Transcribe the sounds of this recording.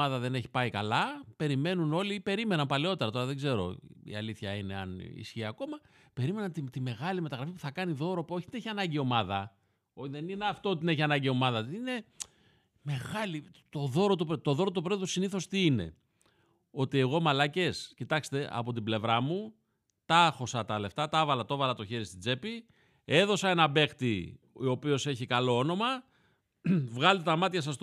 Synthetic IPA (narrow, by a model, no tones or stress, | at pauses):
ɐðɐðe̞neçi̥pɐikɐlɐpe̞ɾime̞nuno̞lipe̞ɾime̞nɐmpɐleo̞t̪e̞ɾɐt̪o̞ɾɐðeɡze̞ɾo̞̰ḭɐliθçɐine̞ɐ̰nḭsçiɐko̞mɐ | pe̞ɾime̞nɐnt̪it̪ime̞ɣɐlimet̪ɐɣɾɐfipu̥θɐkɐniðo̞ɾo̞poçit̪ineçiɐnɐɲɟio̞mɐðɐ | oðenineɐft̪ot̪ineçiɐnɐɲɟio̞mɐðɐine̞ | me̞ɣɐlit̪o̞ðo̞ɾot̪upt̪o̞ðo̞ɾot̪upɾoðusiniθo̞st̪iine̞̰ | o̞t̪ie̞ɣo̞mɐlɐce̞scit̪ɐkst̪e̞ʔɐ̰po̞t̪ible̞vɾɐmu | t̪ɐxo̞sɐt̪ɐle̞ft̪ɐt̪ɐvɐlɐt̪o̞vɐlɐt̪o̞çe̞ɾist̪id͡ze̞pi | e̞ðo̞sɐe̞nɐbe̞xt̪i | o̞pio̞se̞çikɐlo̞ono̞mɐ | vɣɐlt̪et̪ɐmɐt̪çɐsɐs